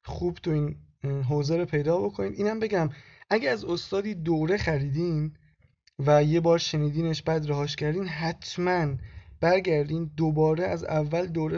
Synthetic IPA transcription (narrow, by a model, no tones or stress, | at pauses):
χuːbt̪ʰoiːn | ɦoːzeɾopʰe̞jd̪ɒːbo̞kʰoniːd̪iːnæmbe̞ɟæmʔæɟeæzost̪ɒːd̪iːd̪oɾe̞xæɾiːd̪iːn | væje̞bɒːɾʃe̞niːd̪iːneʃbæːd̪ɾæɦɒːʃcæɾd̪iːnɦæt̪ʰmænb̥æɾɟæɾd̪iːnd̪obɒːɾeæzævːæld̪oːɾe